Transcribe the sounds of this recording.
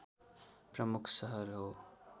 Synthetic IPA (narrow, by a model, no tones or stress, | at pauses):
pɾʌmukʰsʌɦʌɾɦoː